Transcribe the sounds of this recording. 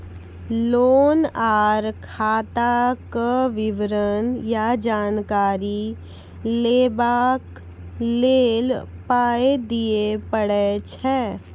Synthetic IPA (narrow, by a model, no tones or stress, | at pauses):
loːnaːɾkʰaːt̪akəʋɪʋɾənjad͡ʒaːnkaːɾi | leːbaːk | leːl | paːed̪iepəɽet͡ʃʰɛː